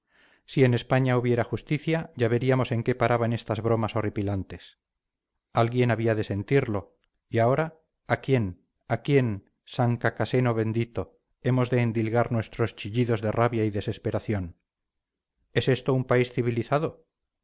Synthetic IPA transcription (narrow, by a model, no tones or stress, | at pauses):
sie̞ne̞spaɲauβ̞je̞ɾaxust̪iθjaʝaβe̞ɾiamo̞se̞ŋke̞paɾʔaβane̞st̪azβɾo̞maso̞ripilant̪e̞s | alɣje̞naβ̞iað̞e̞se̞nt̪iɾlo̞ | iao̞ɾaː | kje̞n | akje̞n | saŋkakase̞no̞βe̞nd̪it̪o̞ | e̞mo̞zðe̞ːnd̪ilɣaɾnwe̞st̪ɾo̞st͡ʃiʎiðo̞zðe̞raβjaiðe̞se̞spe̞ɾaθjo̞n | e̞se̞st̪oumpaisθiβiliθað̞o̞